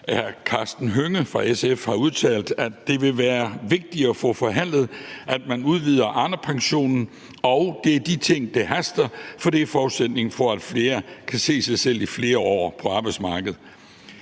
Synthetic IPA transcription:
æɐkʰɑ̈sd̥n̩ɦøŋəfʁɑ̈esefhɑ̈uð̞ˠt͡sʰɛ̰ːld̥ædd̥e̝ʋe̝ʋæːɐʋe̝ɡ̥̚d̥iɒfɔ̽fɒ̽ɦæn̰lð̞̩ˠʔæd̥mænuð̞ˠʋiːð̞ˠɐʔɑn̥ɐpʰɑ̈ŋɕo̝̰ːnn̩ | ɒʊd̥e̝æɐd̥it͡sʰe̝ŋ̰d̥eɦæsd̥ɐfɒ̽d̥e̝fɒːused̥ne̝ŋ̩fɒ̽æd̥fle̝ːɐkʰæse̝̰ːsɑ̈ɪsel̰ifle̝ːɐɒ̰ːpʰɒ̽ɑ̈ːb̥ɑɪ̥smɑ̈ːɡ̥əð̩ˠ

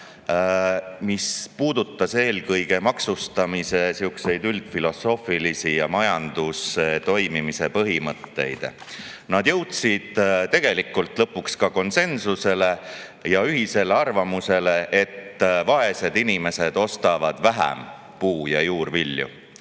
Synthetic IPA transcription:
mispuːd̪ut̪ːˑɑse̞ːlkɤjɡ̥e̞mɑksust̪ɑmise̞siukse̞jd̪yld̪̥filo̞so̞ːfilisijɑmɑjɑnd̪̥uset̪o̞jmimise̞pɤɦimɤt̪ːe̞̰jd̪̥ | nɑd̪̥jɤ̞wt̪sid̪̥t̪e̞ɡ̥e̞likːˑult̪ˑlɤpːˑukskɑko̞nse̞nsuse̞le̞jɑyɦise̞le̞ɑrvɑmuse̞le̞ʔet̪ːvɑe̞se̞d̪inime̞se̞d̪̥o̞st̪ɑvɑd̪̥væɦæ̰m | puːjɑjuːrviljṵ

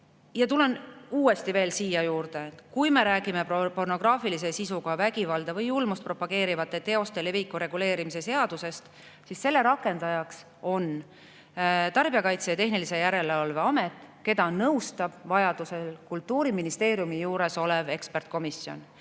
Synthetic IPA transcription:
jɑt̪ule̞nuːe̞st̪ive̞ːlsiːjɑjuːrd̪̥e̞kujme̞ɾæːɡime̞popo̞rno̞ɡ̥rɑːfilis̬esisuɡɑvæɡivɑld̪ɑvɤjulmust̪̚pro̞pːˑɑɡ̥e̞ːɾivɑt̪ːˑe̞t̪e̞o̞st̪e̞le̞vikːˑuɾe̞ɡ̥ule̞ːɾimise̞se̞ɑd̪̥use̞st̪ | sisːe̞lːe̞ɾɑkːˑe̞nd̪̥ɑjɑks | o̞n | t̪ɑrb̥iɑkɑjt̪sejɑt̪e̞ɦnilise̞jæɾe̞leɑlveɑme̞t̪ːˑke̞d̪̥ɑnɤwst̪ɑb̥vɑjɑd̪̥use̞lkult̪ːˑuːɾiminist̪e̞ːɾijumijuːɾe̞so̞le̞ve̞kspert̪̚ko̞misjo̞̰n

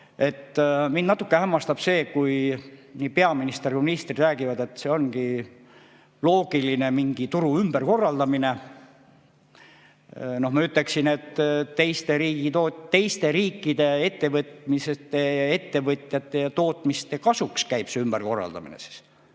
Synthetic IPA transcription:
e̞t̪ːmind̪nɑt̪ːˑukːe̞hæmːɑst̪ɑb̥se̞ːkujniːpeɑminist̪erkuminist̪rid̪ræːɡ̥ivɑd̪e̞t̪se̞o̞nɡi | lo̞ːɡ̥iline̞miŋɡ̥it̪uɾuymb̥erko̞rːɑld̪ɑmine̞ | no̞hmɑyt̪ːˑle̞ksine̞t̪ːt̪ːe̞jst̪e̞ɾiːɡ̥it̪oːt̪ːe̞jst̪e̞ɾiːkːˑid̪̥e̞e̞t̪ːe̞vɤt̪miset̪ːe̞e̞t̪ːe̞vɤt̪ʲˑjɑt̪ːˑe̞jɑt̪o̞ːt̪ˑmist̪ekɑsukskæjb̥seymb̥erko̞rːɑ̰ld̪ɑ̰mḭnḛsi̥s

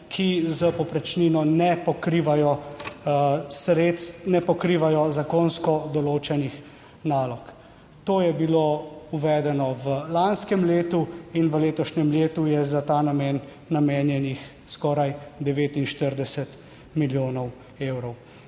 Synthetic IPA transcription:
kʰizəpɔpɾɛt͡ʃninɔnɛpɔkɾiːʋajɔ | sɾet̪st̪nɛpɔkɾiːʋajɔzakoːnskɔd̪ɔloːt͡ʃɛnix | naːlɔk | t̪oːjɛbilouʋɛːd̪ɛnɔʋəlanskɛmleːt̪uinʋəleːt̪ɔʃɲɛmleːt̪ujɛzat̪aːnamɛːnː | ameːnjɛnix | skɔːɾajd̪ɛʋeːt̪inʃt̪əɾd̪ɛsɛt̪ | miljoːnɔw | eːwɾɔw

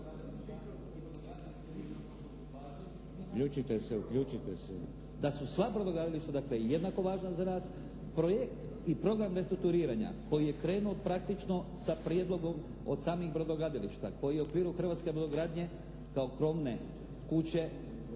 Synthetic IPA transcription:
ukʎuːt͡ʃit̪eseukʎut͡ʃit̪ese | d̪asusʋabɾod̪oɡɾad̪iliʃt̪ad̪aklejjed̪nako̞ʋaːʒnazanaːs | pɾo̞jekt̪ | ipɾo̞ɡɾamɾe̞st̪ɾuk̚t̪uɾiːɾaɲa̰ko̞jijekɾe̞ːnuopɾak̚t̪it͡ʃno̞sapɾije̞d̪lˠo̞ɡo̞m | o̞d̪saːmixbɾod̪oɡɾad̪iliʃt̪a̰kʰo̞jieokʋiːɾuxr̩ʋat̪skebɾod̪oɡɾaːd̪ɲe̞ | kao̞kɾo̞mne | kut͡ɕe̞

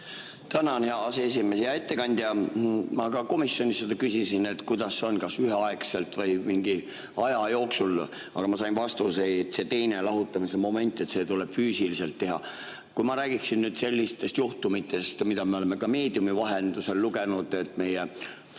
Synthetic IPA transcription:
t̪ænɑnheɑɑsees̬ime̞sejɑet̪ːe̞kɑnʲd̪̥jɑmɑkɑko̞misjo̞nʲisːed̪̥ɑkysisine̞t̪ˑkujd̪̥ɑsːeo̞nkɑsyɦeɑekse̞lt̪vɤ̞jmiŋɡi | ɑjɑjo̞ːksul | ɑ̰ɡɑmɑsɑjnvɑst̪useet̪ːse̞t̪e̞jne̞lɑɦut̪ːˑɑmise̞mo̞me̞nʲt̪ːˑe̞t̪se̞t̪uleb̥fyːsilise̞lt̪ːe̞ɦɑ̰ | kujmɑɾæːɡiksinːyːd̪̥se̞lʲːist̪e̞st̪juht̪umit̪ːˑe̞st̪mid̪̥ɑmeo̞leme̞kɑme̞ːd̪̥iumivɑɦe̞nd̪̥use̞lːuɡe̞nud̪̥e̞t̪ːˑme̞je

